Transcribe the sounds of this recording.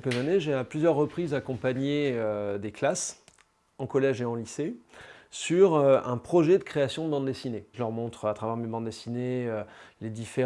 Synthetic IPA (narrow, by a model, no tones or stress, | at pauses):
ɛlkəzaneʒeaplyzjœʁːəpχizakɔ̃paɲeød̪eklas | ɑ̃kɔlɛʒeɑ̃lisesyʁøɛ̃pχɔʒɛd̪əkχeasjɔ̃d̪əbɑ̃d̪d̪esineʒəlœʁmɔ̃t̪χat̪χavɛʁmebɑ̃d̪d̪esineøled̪ife